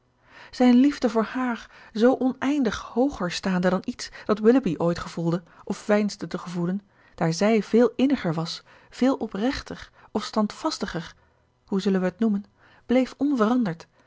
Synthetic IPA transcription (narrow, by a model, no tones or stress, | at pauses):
z̥ɛjnlivdəvʊːɹhaːɹ | zowʔɔnɛjndəχhowχəɹstaːndədɑnitsd̥ɑtwɪləbiʔojtχəv̥ulˠdə | ʔɔfʋɛjnzdətəχəvulən | d̥aːɹzɛjv̥ɪːlˠɪnəχəɹʋɑs | v̥ɪːlˠʔɔprɛχtərɔfstɑntfɑstəχəɹ | huzɵlənʋəɦətnumən | b̥lejfɔnvərɑndəɹt